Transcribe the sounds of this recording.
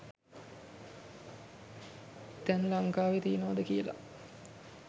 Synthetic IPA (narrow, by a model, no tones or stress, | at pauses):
t̪ɛnlaŋkaːʋet̪ijənoʋad̪əkijəla̰